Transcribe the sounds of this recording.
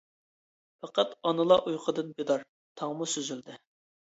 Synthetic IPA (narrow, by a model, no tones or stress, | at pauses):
pɑqɑt̪ɑnɨlˠɑʔujqʰəd̪ɨnbed̪ɑɾ | t̪ʰɑŋmusyzyld̪ɪ